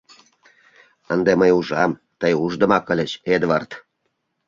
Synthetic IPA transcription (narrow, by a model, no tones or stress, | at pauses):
ənd̪eməjuʒɑm | t̪əjuʒd̪ə̆mɑkə̆lʲə̆t͡ɕed̪ʋɑrt̪